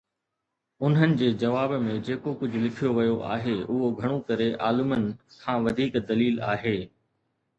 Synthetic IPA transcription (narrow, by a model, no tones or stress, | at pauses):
ʊnɦənɪ̆d͡ʑeːd͡ʑɐʋaːbmẽd͡ʑeːkokʊd͡ʑʱʊ̆lɪkʰijoʋɐjoʔa̰ːɦeʊɦoɡʱɐɽ̃õkɐɾeʔa̰ːlʊmənɪ̆kʰãːʋɐd̪ʱiːkd̪ɐliːla̰ːɦeː